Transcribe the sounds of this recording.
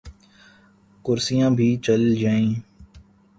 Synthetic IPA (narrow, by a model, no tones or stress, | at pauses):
kʊɾsijãːbʱiːt͡ʃəld͡ʒaːẽː